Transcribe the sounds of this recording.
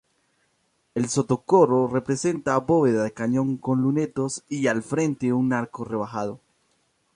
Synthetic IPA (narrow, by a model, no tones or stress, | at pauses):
e̞lso̞t̪o̞koro̞re̞pɾe̞se̞nt̪abo̞βeðaðekaɲõ̞ŋko̞nlune̞t̪o̞sialfɾe̞nt̪euŋːaɾkore̞β̞axaðo̞